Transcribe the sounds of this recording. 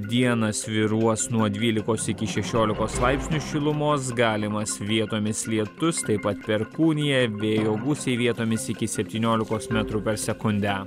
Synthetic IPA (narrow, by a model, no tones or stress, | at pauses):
d̪ʲiɛnɐsʋʲɪɾuɔsnuɔd̪ʲʋʲiːlʲɪkoːsɪkʲɪʃʲɛʃʲoːlʲɪkoːsːlˠɑɪpʲsʲnʲuʃʲɪlˠʊmoːs̬ɡɑːlʲɪmɐsʋʲiɛt̪oːmʲɪslʲiɛt̪ʊst̪ɐɪpɐt̪pʲɛɾkuːnʲɪjɛʋʲeːjoːɡusʲɛɪʋʲiɛt̪oːmʲɪsɪkʲɪsʲɛpʲt̪ʲiːnʲoːlʲɪkoːsmʲɛt̪ɾuːpʲɛɾsʲɛkʊnʲd̪ʲæ